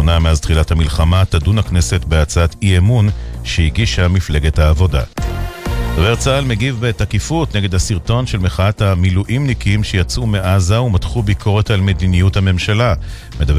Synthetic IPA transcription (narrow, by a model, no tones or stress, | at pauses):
onameazt̪χilathamilχamatadunaknese̞tbeat͡saatiemunʃeiɡiʃamifle̞ɡethaːvo̞da̰ | med̥aveʁt͡saːlmeɡivbetakifutneɡe̞d̪asiʁto̞nʃe̞lmeχaathamiluʔimnikiimʃejat͡sume̞ʔazaumatχubikʰo̞ʁe̞talme̞dinijuthame̞mʃala | med̪av